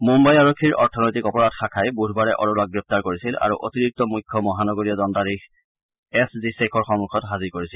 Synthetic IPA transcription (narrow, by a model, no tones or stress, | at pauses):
mumbajaɹokʰːiɹɔ̰ɹtʰɔnɔjtikɔpɔɹadxakʰajbuɾʱbaɹɛʔɔɹɔlak̚ɡɹɛp̚taɹkoɹisila̰ɹṵʔotiɹik̚tɔmujkʰːɔmɔɦanɔɡoɹijɔdɔntaɹix | ɛszisekʰɔɹxɔŋukʰɔtɦazikoɹisil